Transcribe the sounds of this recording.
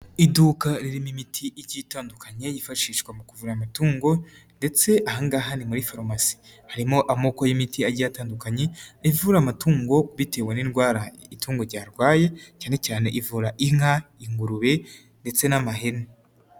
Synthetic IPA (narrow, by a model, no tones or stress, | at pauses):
iduːkaɾiɾimimitʰiʔiɾɟitaːndukʰaɲe̞jifaʃiːʃkwamukuvuɾamatuːŋɡo̞ | nde̞t͡se̞ʔahaŋɡaɦanimuɾifaɾomasi̥ | haɾimo̞ʔamokojimitʰiaɟataːndukaɲe̞ivuɾamatuːŋɡo̞βite̞ːweninɡwaːɾaituːŋɡoɾɟaːɾɡwaːje̞caːne̞caːne̞̰ʔivuɾaʔiŋ̥haiŋɡuɾuβe̞ | nde̞t͡se̞namaɦene